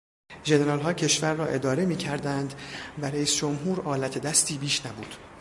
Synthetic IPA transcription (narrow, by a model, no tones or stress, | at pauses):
ʒe̞ne̞ɾɒːlɦɒːcʰe̞ʃvæɾːɒːʔe̞d̪ɒːɾe̞miːcʰæɾd̪ænd̪væɾeiːsd͡ʒomɦuːɾɒːlæt̪ʰe̞d̪æst̪iːbiːʃnæbuːd̪̥